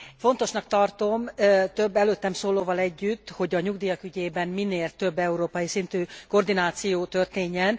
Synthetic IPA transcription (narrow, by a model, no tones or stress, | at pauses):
fo̞n̪t̪o̞ʃnɒkt̪ɒrt̪o̞mt̪øbːɛløːt̪ːɛmsoːloːvɒlɛɟːyt̪ːho̞ɟɒɲuɡd̪ijɒkyɟeːbɛnmineːlt̪ø̞bːɛuɾoːpɒjisint̪yːkord̪inaːt̪sijoːt̪ørt̪eːɲːɛn